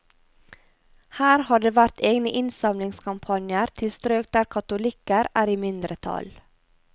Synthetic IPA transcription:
hæːɾhɑːɖeːʋæɾt̪eːɡnəʔɪnsɑmlɪŋskʰɑmpʰɑnjəɾt̪ʰɪst̪ɾøːk̚d̪æːɾkʰɑt̪ʊlɪkəɾʔæːɾiːmɪnd̪ɾət̪ʰɑ̰l

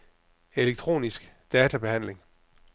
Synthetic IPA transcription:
e̝leɡ̥̚t͡sʰʁo̝̰ːnisɡ̥d̥ɛːt͡sʰæb̥e̝hæn̰le̝ŋ

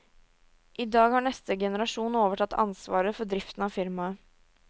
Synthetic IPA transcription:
ʔɪd̪ɑːɡhɑɳɛst̪əɡɛnəɾɑʂuːn̩oːʋəʈʰɑt̪ːɑ̰nsʋɑ̰ːɾəfɔɖɾɪft̪n̩ɑʋfɪɾmɑ

